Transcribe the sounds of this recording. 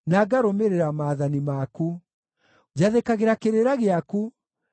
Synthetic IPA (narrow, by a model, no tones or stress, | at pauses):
naɡaɾomeɾeɾamaːðanimaku | d͡ʒaðekaɣeɾakeɾeɾaɣeaku